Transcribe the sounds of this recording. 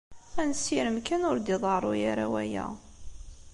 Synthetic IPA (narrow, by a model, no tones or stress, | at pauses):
ænsːiɾəmkænʊɾd̪iðˤərˤʊjaɾawæjæ̰